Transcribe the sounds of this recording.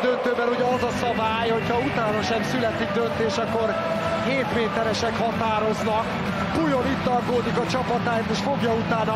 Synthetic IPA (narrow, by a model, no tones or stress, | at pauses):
d̪ønt̪øːbɛluɟɛɒzɒsɒbaːjho̞cʰhɒut̪aːnɒʃɛmsylɛt̪iɡ̚d̪ø̞nt̪eːʃɒkːo̞r | heːt̪meːt̪ɛɾɛʃɛkhɒt̪aːɾo̞znɒk | pujo̞nit̪ːɒrkoːd̪ikɒt͡ʃɒpɒt̪aːjt̪eːʃfo̞ɡjɒut̪aːnɒ